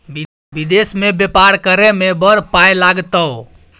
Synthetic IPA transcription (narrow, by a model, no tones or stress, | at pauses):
b | bid̪esmẽbjepaɾkəɾemebəɾpajlaɡt̪əo